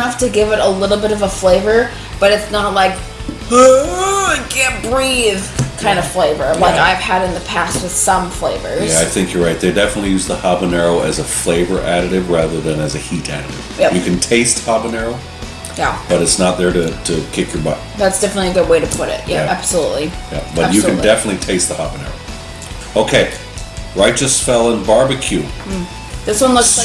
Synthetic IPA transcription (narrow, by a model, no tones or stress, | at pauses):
ʌftɨɡɪvɨɾəlɪɾl̩ˠbɪɾʌvəfleɪvə˞ | b̥ʌɾɨtsnət̚ˡlaɪk | ɡ̥ɛbɹið̥kʰãɪ̃ndʌ̥fleɪvə˞laɪkaɪv̥ɨɾɨ̃nðɨpʰæst̚wɨð̥sʌ̃ɱfleɪvə̰˞zjæaɪθɪ̃ŋkʰjə˞ɹaɪt̪̚ðeɪdɛfənətˡlijʉzðəhɑbənɛɹoʊʔɨzəfleɪvə˞ʔæɾɨɾɨvɹæðə˞ðɨ̃nɨzɨhiɾæ̰ɾɨɾɪ̰v̥jæjɨkʰɨ̃n̩tʰeɪst̚hɑbənɛɹoʊ | jæb̥ʌɾɨtsnət̪̚ðə˞ɾɨɾʰɨkʰɪkʰjə˞bʌt̚ | ðætsd̥ɛfənətˡliðə˞weɪɾɨpʰʊɾɪ̰t̚jʔææææb̥səlutˡlijæ̰b̥ʌt͡ʃɨkɨndɛfənɨtˡlitʰeɪst̪̚ðəhɑbɨnɛ̰ɹoʊ | oʊkʰeɪ | ɹaɪt͡ʃɨsfɛlˠə̃nbɑɹbɨkʰj̥ʉ | ðɪswʌ̃nla